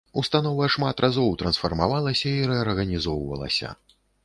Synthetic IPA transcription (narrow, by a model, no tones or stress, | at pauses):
ust̪anɔvɐʂmat̪rʔazɔwt̪ɾɐnsfɐrmavalˠɐsʲɐiɾɛɐrɣɐnʲizɔwvɐ̰lˠɐ̰sʲɐ̰